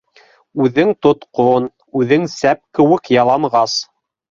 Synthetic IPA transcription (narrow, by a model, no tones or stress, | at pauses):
ʉðɘŋt̪ŏt̪qon | ʉðɘŋsæp̚kɘ̆wɘkjɑlˠɑɴʁɑs